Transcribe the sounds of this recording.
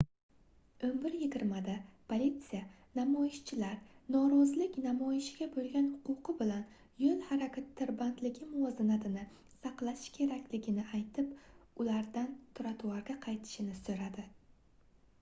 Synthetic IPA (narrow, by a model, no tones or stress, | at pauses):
ɵmbɪɾjɪɡʲɪɾmad̪apʰolʲit̪sija | namɒɪʃt͡ʃʰɪlaɾnɒɾɒzlɪkʲnamɒjɪʃɡʲabolˠɡʲanhʊqʊqʰɨbɪlan | jolˠhaɾakʲʰat̪ʰːɪɾband̪lɪɡʲɪmɒzɪnat̪ɪnɪ | sɑqlˠakʲʰe̞ɾakʲlɪɡʲɪnɪʔajt̪ʰɪpʊlaɾd̪ant̪ʰʊɾat̪ʰʊwaɾɡʲaqʰɑjt̪ʰɪ̥ʃɪnɪsɵɾad̪ɪ